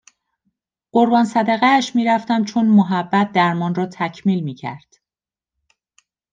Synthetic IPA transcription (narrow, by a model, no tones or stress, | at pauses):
ɢ̥oɾbɒːnsæd̪æɣæːʃmiːɾæft̪æmt͡ʃʰonmoɦæbːæt̪̚d̪æɾmɒːnrɒːt̪ʰæcʰmiːlmiːcʰæ̰ɾd̪̥